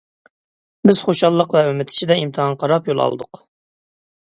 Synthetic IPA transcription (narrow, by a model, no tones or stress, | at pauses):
bɪz̥χoʃɑlˠːəqvɛømɪt̪ʰɪ̥ʃid̪ɛimt̪ʰɨɦɑŋqʰɑɾɑpjolˠɑ̰lˠɨ̰d̪ʊq